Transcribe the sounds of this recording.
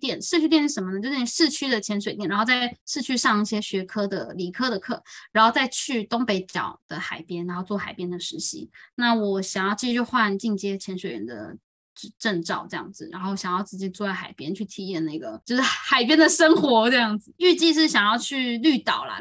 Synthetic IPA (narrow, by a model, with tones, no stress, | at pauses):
t̪jɛ˨˩nʂɻ̩˥˧t͡ɕʰy˥jɛ˥˧nɻ̩˥˩ə˧˥mə˧nə˧t͡ɕo˥˧ʊ˥˩˥ʂɻ̩˥˩t͡ɕʰy˥d̪ə˨t͡ɕʰjɛ˧˥nʂ̬we˨˩t̪jɛ˨˩nɻa˧˥xo˥˧ʊt͡sa˥˧ɪʂɻ̩˥˧t͡ɕʰy˥ʂɑ˥˧ŋi˥˩ɕjɛ˥ɕɥɛ˧˥kʰɤ˥d̪ə̰˨˩li˨˩kʰɤ˥d̪ə˨kʰɤ˥˩ɻa˧˥nxo˥˧ʊt͡sa˥˧ɪt͡ɕʰy˥˩t̪o˥ŋpe˧˥ɪt͡ɕjɑ̰˨˩ʊd̪̥ə˨xa˨˩ɪpjɛ˥nɻa˧˥nxo˥˧ʊt͡swɔ˥˩xa˨˩ɪpjɛ˥nd̪ə˨ʂɻ̩˧˥ɕḭ˧˥na˥˩wɔ˨˩ɕɑ˨˩ŋjɑ˥˩ʊt͡ɕi˥˩˥t͡ɕjo˥˧ʊxwa˥˧nt͡ɕi˥˩ŋt͡ɕjɛ˥t͡ɕʰjɛ˧˥nʂwe˨˩ɪɻə̰˧˥nd̪ə̰˧ | ʈ͡ʂə˥˧nʈ͡ʂɑ˥˩ʊʈ͡ʂɤ˥˧jɑ̰˥˩ŋd͡zɹ̩˩ɻa̰˧˥nxo˥˩ʊ˨ɕjɑ˨˩ŋjɑ˥˧ʊt͡sɹ̩˥˧˩t͡ɕi˥˧˩t͡su˥˧t͡sa˥˩ɪxa̰˨˩ɪpjɛ˥nt͡ɕʰy˥˩t̪ʰi˧˥jɛ˥˧na˥˩ɪɡə˩t͡ɕo˥˧ʊʂɻ̩˥˩xa˨˩ɪpjɛ˥nd̪ə˨ʂə˥ŋxwɔ˧˥ʈ͡ʂɤ˥˧jɑ˥˩ŋd͡zɹ̩˩y˥˧t͡ɕi˥˧ʂ̬ɻ̩˥˩ɕjɑ˨˩ŋjɑ˥˧ʊt͡ɕʰy˥˧ly˥˩t̪ɑ˨˩ʊlɐ̰˨